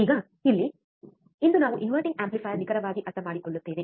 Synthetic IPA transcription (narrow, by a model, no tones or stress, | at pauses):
iːɣɐ | ɪlːi | ɪnd̪ɯnaːʋɐ̃ʔɪnʋɐɾʈɪ̃ŋɡaːmplɪfaːjɐnɪɣɐɾɐʋaːɣiʔɐt̪ːɐmaːɽikːɔɭːɯt̪ːeːnẽː